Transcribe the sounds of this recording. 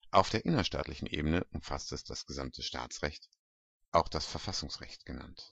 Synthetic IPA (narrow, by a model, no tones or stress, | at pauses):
ʔaʊfd̥eːɐʔɪnɐʃta̰ːtlɪçn̩ʔḛːbənəʔʊmfastɛsd̥asɡ̥əzamtʰəʃta̰ːt͡sʁɛçt | ʔaʊxd̥asfɛɐfasʊŋsʁɛ̰çt̚ɡ̥əna̰nt